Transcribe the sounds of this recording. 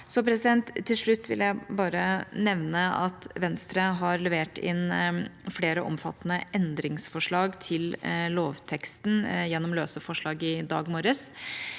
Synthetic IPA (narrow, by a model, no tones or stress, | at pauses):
sɔpʰɾɛsɪd̪ɛnt̪ʰːɪlʂɭʉt̪ʰːʋɪ̰ljæɪbɑːɾənɛʋnəɑ̰t̪ʋɛnst̪ɾəɦɑɾlɛʋeːʈɪ̰nfleːɾəʔɔ̰mfɑ̰t̪ːnəʔɛnd̪ɾɪŋsfɔʂɭɑːɡt̪ʰɪlloːʋt̪ʰɛkst̪njɛnːɔmløːsəfɔʂɭɑːɡɪd̪ɑ̰ːɡmoːɾəs